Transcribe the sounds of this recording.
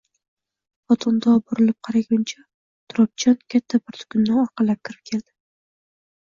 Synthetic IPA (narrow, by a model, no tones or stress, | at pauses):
χɒt̪ʰɒnd̪ɒboɾɪlɪp̚qʰɑɾaɡʲʊnt͡ʃʰa | t̪ʰʊɾɒp̚t͡ʃʰɒnkʲʰat̪ʰːabɪɾt̪ʰʊ̥kʲʊnːɪɒɾqʰɑlap̚kʲʰɪɾɪp̚kʲʰe̞ld̪̥ɪ̥